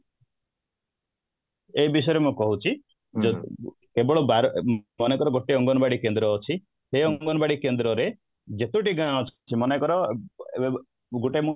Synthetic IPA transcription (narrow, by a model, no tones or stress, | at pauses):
eɦibis̬ɔjɾemũkɔɦut͡ʃʰi | d͡ʒ | kebɔɭɔbaɾɔɔnekɔɾɔɡoʈeɔŋɡɔnɔbaɽikend̪ɾɔːt͡ʃʰi | seɔŋɡɔnɔbaɽikend̪ɾɔɾe | d͡ʒet̪uʈiɡaɽ̃ɔt͡ʃʰt͡ʃʰimɔnekɔɾɔ | ɡuʈemu